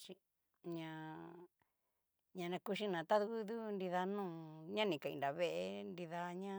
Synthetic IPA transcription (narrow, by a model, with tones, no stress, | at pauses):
ʃi˧˦ | ɲã˧ | ɲã˧nã˧ku˧ʃ̬i˦nã˨t̪a˦ðu˧ku˦ðu˦ndi˧ða˧nũː˦˨ɲã˦nĩ˨ka˨ḭ˧nda˨βe˧ʔe˧ndi˧ða˧ɲã˦